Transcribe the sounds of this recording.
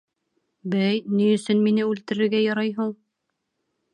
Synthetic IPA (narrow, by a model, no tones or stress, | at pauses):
bæjnijɵ̆sɵnminɘʉlt̪ɘ̆ɾɘ̆ɾɡæjɑɾɑjɦuɴ